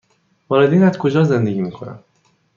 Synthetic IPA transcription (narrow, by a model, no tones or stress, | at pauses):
vɒːɾe̞d̪iːnæzkʰo̞d͡ʒɒːze̞nd̪e̞ɟʲiːmiːkʰo̞næ̰m